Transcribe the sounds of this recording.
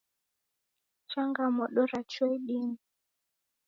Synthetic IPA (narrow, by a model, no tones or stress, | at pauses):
t͡ʃaŋɡamɔɗɔɾat͡ʃɔiɗini